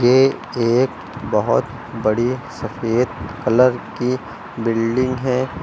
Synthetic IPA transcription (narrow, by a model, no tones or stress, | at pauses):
je | eːk | bɐɦʊ̰t̪ | bɐɽisɐfeːd̪kɐləɾki | bɪlɖɪ̃ŋɡɦɛː